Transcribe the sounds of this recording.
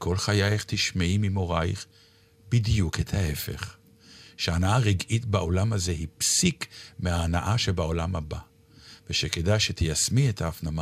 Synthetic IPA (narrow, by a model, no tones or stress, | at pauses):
kʰo̞lχajajeχt̪iʃmeimimo̞ʁajχ | bidjuket̪ʰhae̞fe̞̰χ | ʃeanaaʁiɡʔitbao̞lamaze̞hipsikmeaːnaʔaʃebao̞lamhaba | veʃekedajʃet̪ʰijasmietʰaːfnama